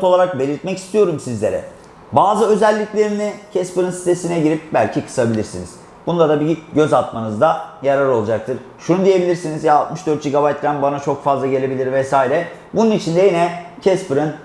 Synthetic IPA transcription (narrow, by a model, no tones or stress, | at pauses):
olˠaɾak̚be̞lʲiɾt̪̚mɛci̥st̪ʰijo̞ɾumsizlʲe̞ɾɛ̰ | baːzɯø̞zælʲːiclʲeɾinicʰɛspɯɾɯnsi̥t̪ʰe̞sinɛɟiɾip̚bælʲcʰikʰɯ̥sabilʲiɾsiniz̥ | bund̪ad̪abiɟø̞zat̪̚manɯzd̪ajaɾaɾo̞lˠud͡ʒak̚t̪ʰɯɾ̥ | ʃunud̪ije̞bilʲiɾsinizjaaːlˠt̪mɯʃd̪øɾt̪̚d͡ʒiɡabajt̪̚ːɾænbanat͡ʃʰo̞kfazlˠaɟe̞lʲe̞bilʲiɾvɛsaːiɾɛbununit͡ʃʰind̪ɛjinɛcʰɛspɯɾɯn